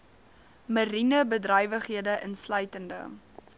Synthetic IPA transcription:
mərinəbədrœjvəχɦiədəʔənslœɥtəndə̰

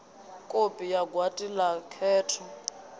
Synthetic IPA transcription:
kʼopʼijaɡwatʼilakʰɛːtʰɔ

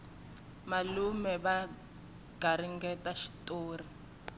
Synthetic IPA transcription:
malumɛβa | ɡ̥aɾiŋɡɛtaʃi̥toːri

